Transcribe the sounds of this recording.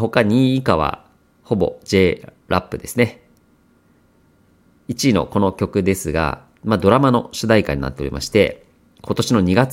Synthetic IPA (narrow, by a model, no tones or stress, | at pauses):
ɦo̞kaɲ̟iːkaβ̞a̰ | ho̞bo̞̰d͡ʑe̞ː | ɾʔapːɯ̟d̪e̞sɨne̞ | it͡ɕiːno̰ko̞no̞kʲo̞kɯ̟d̪e̞sɨɡa̰ | mad̪o̞ɾamano̞ɕɨd̪aika̰iɲ̟ina̰t̪ːe̞o̞ɾʲḭmʔa̰ɕi̥t̪e̞̰ | kʰo̞t̪o̞ɕino̞ɲ̟iɡat͡s